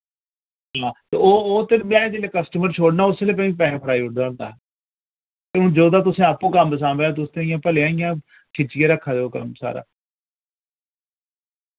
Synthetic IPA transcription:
ɦãːt̪ḛːoːoːt̪ɪnmjãːd͡ʒeːleːkəsʈəməɾt͡ʃʰoːɽnaːʊsːeːleːpɛ̃ːĩːp̬ɛːẽːpʰəɾaːiːʊɖd͡ʒãːnd̪a̰ː | t̪eʊ̃ːd͡ʒoːd̪aːt̪̬ʊsẽːapũːkəmbəsãːbeːt̪ʊst̪ẽĩjãːpəleãːijãː | kʰɪt͡ʃɪjãːɾəkʰːaːd͡ʒ̪eokəmsa̰ːɾa̰ː

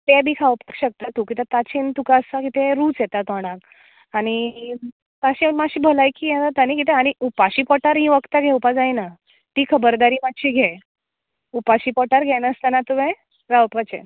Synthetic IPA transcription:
t̪ɛbʱiːkʰawpakɕək̚t̪at̪ukit̪ət̪at͡ɕint̪ukaəst̪akit̪ɛ̃ɾuːt͡sjɛt̪at̪ɔɽ̃ãk | aɽ̃i | t̪aɕĩmaɕiːbʱolajkijɛ̃t̪at̪añĩkit̪ɛ̃aɽ̃iʔupaɕiːpɔʈaɾɦĩʋəkt̪aɡʱɛupad͡zajna | t̪iːkʰəbəɾd̪aɾiːmatːɕiːɡʱɛ | upaɕiːpɔʈaɾɡʱɛnəst̪anat̪uʋẽ | ɾawpat͡ɕḛ

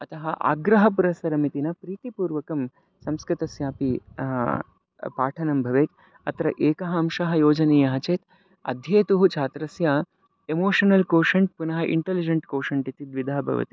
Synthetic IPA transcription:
ɐt̪ɐɦɐʔa̰ːɡɾɐɦɐp̬uɾɐsɐɾɐmit̪inɐpɾiːt̪ipuːɾʋɐkɐm | sɐmskɾit̪ɐsjaːpi | paːʈʰɐnɐmbʱɐʋeːt̪ | ɐ̰t̪ɾɐ̰ʔeːkɐɦɐːmʃɐɦɐjoːd͡ʒɐneːjɐɦɐt͡ʃeːt̪ | ɐ̰d̪ʱjeːt̪uɦut͡ʃʰaːt̪ɾɐsjaː | emoːʂɐnɐlkoːʂɐɳʈ̚punɐɦɐʔḭɳʈɐlid͡ʒɐɳʈkoːʂɐɳʈit̪id̪ʋid̪ʱaːbʱɐ̰ʋɐ̰t̪i̥

